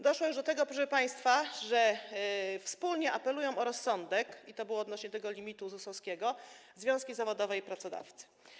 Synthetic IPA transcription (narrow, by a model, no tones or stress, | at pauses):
d̪ɔʂwɔjuʐd̪ɔt̪ɛɡɔpɾɔʂɛpaj̃st̪faʐɛ | fspulɲɛʔapɛlujɔ̃w̃ɔɾɔsːɔnd̪ɛkit̪ɔbɘwɔːd̪nɔɕɲɛt̪ɛɡɔlʲimʲit̪uzusɔskʲɛɡɔzvʲjɔ̃w̃skʲizavɔd̪ɔvɛipɾat̪sɔd̪a̰ft̪sɘ̥